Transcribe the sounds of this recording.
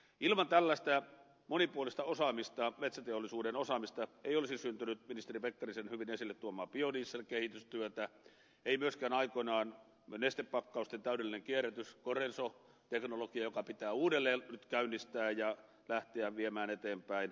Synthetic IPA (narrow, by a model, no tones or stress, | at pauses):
ʔilmɑnt̪ælːæst̪æ | monipuolist̪ɑosɑmist̪ɑmet̪sæt̪eolːˑisuːdenosɑmist̪ɑeˑiolisisynt̪ynyt̪minist̪eripekːɑrisenhyʋinesilːet̪t̪uomˑɑːpioniːsːelkehit̪yst̪yøt̪æ | eˑimyøskæːnɑikonɑːn | nest̪eppɑkːɑust̪ent̪æˑydelːineŋkierːˑæt̪yskorenso | t̪eknolokiɑjokɑpit̪æːuːdelːeːnnyt̪kæynːist̪æːjɑ | læht̪eæʋiemæːnet̪eːmpæin